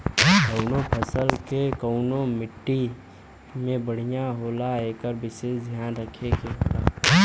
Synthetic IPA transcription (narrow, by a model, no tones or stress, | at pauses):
kɐʊnõpʰəsəlkekəʊnomɪʈːi | mẽbəɽ̤ijaɦoːlaeːkəɾʋɪʃeːʃd̪ʱjaːnɾəkʰekeɦo̰ːla̰ː